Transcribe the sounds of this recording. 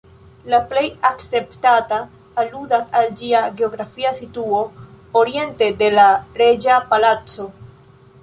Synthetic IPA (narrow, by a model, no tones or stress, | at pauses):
laple̞jakt͡se̞ptataː | ludasald͡ʒiaɡe̞o̞ɡɾafiasituo̞ | oɾie̞nte̞de̞laɾe̞d͡ʒapalat͡so̞